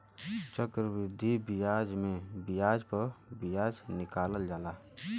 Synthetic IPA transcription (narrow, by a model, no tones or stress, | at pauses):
t͡ʃəkɾəbɾɪd̪ʱːibɪjaːd͡ʒmẽbɪjaːd͡ʒpəɾbɪjaːd͡ʒnɪkaːləld͡ʒaːlaː